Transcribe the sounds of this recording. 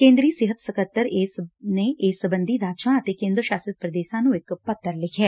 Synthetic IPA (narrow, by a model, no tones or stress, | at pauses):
kẽːnd̪ɾiːsɪɦət̪sɐkəɾt̪ːəɾeːsneʔeːsəbə̃nd̪ʱiɾaːt͡ʃãɐt̪ekẽːnd̪ɾəʃaːsət̪̚pɾəd̪eːʃãnũɪkpɐt̪ʰːəɾlɪkʰɛː